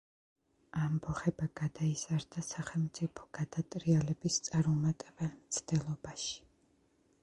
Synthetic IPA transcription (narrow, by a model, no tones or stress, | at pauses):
ambɔχɛbaɡad̪aiz̥aɾd̪asaχɛlˠmt̪sʼipʰɔ̥ɡ̥ad̪at̪ʼɾialɛbist̪sʼaɾmumat̪ʼɛbɛlmt̪sʰd̪̥ɛlˠɔbaʃi̥